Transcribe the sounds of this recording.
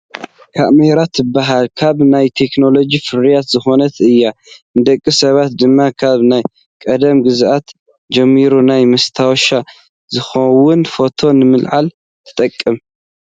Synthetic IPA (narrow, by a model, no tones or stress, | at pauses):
kʰa̰ʔmeɾat̪ʰɨbːaɦalkʰaβnajt̪ʰe̞kno̞lo̞d͡ʒifɨɾijat̪zɨxo̞nɐt̪ʰɨjːanɨd̪ɐkʼːisɐβat̪̚d̪ɨmːakʰaβnaj | kʼɐd̪ɐmɡɨzʔat̪ | d͡ʒɐmːiɾunajmɐst̪ʰawʃa | zɨxɐwʊnfo̞t̪ʰo̞nɨmɨlʕal | t̪ʰɨ̥t̪ʼɐkʼːɨm